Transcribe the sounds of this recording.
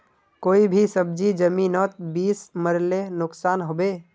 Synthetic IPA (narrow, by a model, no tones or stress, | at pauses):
koːibʱisəb̚d͡ʒid͡ʒəmiːnɔːt̪̚biːsməɾlenʊksaːnɦobe